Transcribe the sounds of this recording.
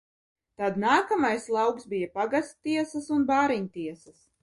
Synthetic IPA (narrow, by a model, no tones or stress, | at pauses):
t̪ad̪naːkamajslˠɑwksbijapaɡast̪t̪iɛsɐsunbaːɾiɲt̪iɛsɐs